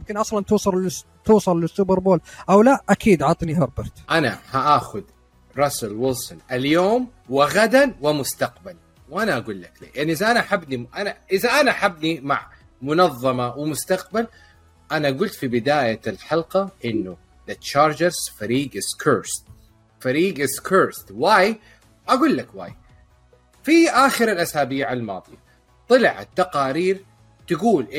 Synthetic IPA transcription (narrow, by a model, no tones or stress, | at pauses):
mkɪnʔɑsˤlɑnt̪uːsˤɑlɪ | t̪uːsˤɑllɪsːʊbɑɾboːlʔawlaʔʔakiːd̪ʕɑt̪ˤniɦɑɾˤbɑɾˤt̪ʔanahaʔaːxʊd̪ | ɾˤɑsʊlwɪlsʊnʔaljoːm | wɪɣad̪anwɪmʊst̪aqbal | wʔanaʔaɡuːlːakliʔaʕniʔɪðaʔanaʔaħabːniʔanaʔɪðaʔanaʔaħabːnimaʕ | mʊnɑðˤːɑmɑwɪmʊst̪aq̚bal | ʔanaʔɡʊlt̪fibɪd̪aːjalħɑlqɑʔɪnːu | ðat͡ʃɑːɾˤd͡ʒɪɾz̥faɾiːɡɪskʰəɾst̪ | faɾiːɡɪskʰəɾst̪waːj | ʔaɡuːlːakwa̰ːj | fiʔaːxɪɾalʔasaːbiːʕalmɑ̰ːðˤi | t̪ˤɨlʕa̰t̪ːaqɑːɾiːɾ | t̪aɡuːlʔɪ